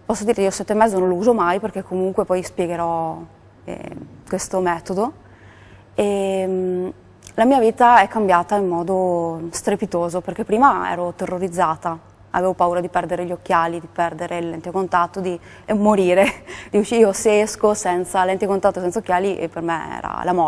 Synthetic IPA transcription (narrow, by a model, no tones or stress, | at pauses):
pɔsːod̪iːɾeiːosɛt̪ːemːɛzːonõlouːzomajperk̟ekːomuŋkwepɔjspjeɡeɾɔ | ɛ̰kwest̪omɛːt̪od̪o | em | lamiːaviːt̪aɛkːambjaːt̪aimːɔːd̪ost̪ɾepit̪oːzoperk̟epːɾiːmaɛ̰ːɾot̪erːoɾid̪zːaːt̪a | a̰veːvopauːɾad̪ipɛrd̪eɾeʎokːjaːlid̪ipɛrd̪eɾelːɛnt̪ekont̪at̪ːod̪i | moɾiːɾed̪iut͡ʃiiːoseeskosɛnt̪salɛnt̪ekont̪at̪ːosɛnt̪saokːjaːliʔḛpːermḛɛ̰ːɾa̰lamɔ